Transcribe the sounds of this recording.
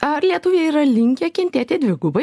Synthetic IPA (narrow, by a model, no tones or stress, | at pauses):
ɐɾlʲiɛt̪ʊʋʲeːɛiːɾɐlʲɪŋʲkʲekʲɪnʲt̪ʲæːt̪ʲeːd̪ʲʋʲɪɡʊbɐ